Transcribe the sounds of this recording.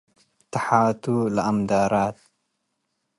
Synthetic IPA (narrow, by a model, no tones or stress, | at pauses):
t̪aħaːt̪ulaamd̪aːɾɑːt̪̚